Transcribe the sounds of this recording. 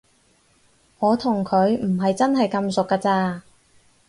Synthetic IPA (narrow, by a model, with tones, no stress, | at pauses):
ŋɔː˨˧t̪ʰʊ˨˩ŋkʰɵ˨˧˥ɥm̩˨˩ɦɐ˨jt͡sɐ˥nɦɐ˨jkɐ˧msʊ˨kːaː˧t͡saː˧